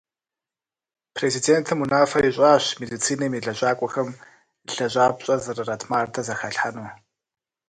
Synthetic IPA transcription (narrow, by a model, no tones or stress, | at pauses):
pʰrezideːntʰɨmunaːfɐiɕʼaːɕmedit͡sʰiːnɐmiːɮɐʑaːkʷʼɔxɐm | ɬɐʑʼaːbɕʼɐzɨrɐrɐtʰmaːrdʰɐzɐxɐɬħanuː